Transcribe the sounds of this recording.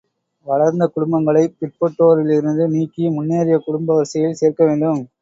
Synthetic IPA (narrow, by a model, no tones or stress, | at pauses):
ʋɐɭɐɾnd̪ɐkʊɽʊmbɐŋɡɐɭɐɪpɪʈ̚pɔʈːoːɾɪlɪɾɯnd̪ɯniːkːimʊnːjaːɾɪjɐkʊɽʊmbɐʋɐɾsɐjɪlseːɾkɐʋeːɳɖɯm